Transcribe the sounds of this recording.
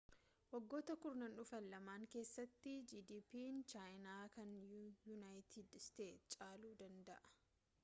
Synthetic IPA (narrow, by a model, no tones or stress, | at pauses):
wɐɡːo̞ːt̪ɐkʊɾnɐnʊfɐnlɐmaːŋke̞ːsːɐt̪ːɪd͡ʒiːd̪iːpiːnt͡ʃaːjnaːkɐnjunaːjt̪ʰiːd̪st̪eːt̪t͡ʃʼaːluːd̪ɐnd̪ɐʔɐ̥